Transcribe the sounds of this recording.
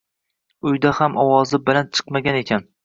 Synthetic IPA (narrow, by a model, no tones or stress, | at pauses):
ʊjd̪ahamʔɒwɒzɪbɪlant͡ʃʰɨ̥qmaɡʲanekʲʰan